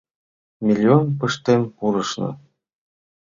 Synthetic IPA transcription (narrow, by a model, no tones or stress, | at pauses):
mʲilʲːionpɯʃt̪emʲuɾɤ̆ʃnɤ̰̆